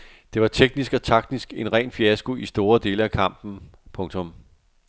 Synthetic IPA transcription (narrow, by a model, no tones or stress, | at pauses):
d̥e̝ʋɑ̈t͡sʰeɡ̥̚nisɡ̥ɒ̽t͡sʰɑ̈ɡ̥̚disɡ̥e̝nʁɛ̰ːnfiæsɡ̥uisd̥o̝ːɐd̥e̝ːləækʰɑ̈m̰b̥n̩pʰɔ̽ŋt͡sʰɔ̽m